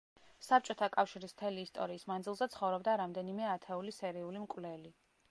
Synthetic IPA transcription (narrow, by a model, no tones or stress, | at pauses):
sap̚t͡ʃʼɔt̪ʰakʼafʃiɾism̥t̪ʰɛliːst̪ʼɔ̰ɾiːsmanzilˠzɛt̪sʰχɔvɾɔbd̪aɾamd̪ɛnimɛat̪ʰɛulisɛɾiulimkʼvlɛli